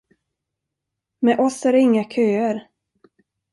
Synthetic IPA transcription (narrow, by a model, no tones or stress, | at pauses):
mɛʔɔsæɖɛɪŋːakʰøːəɾ